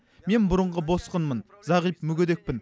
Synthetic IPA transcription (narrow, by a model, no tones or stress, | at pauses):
me̞nbʊɾəɴʁəbo̞sqənmən | zɑʁijpmʏɡʲed̪e̞k̚ʲpɪn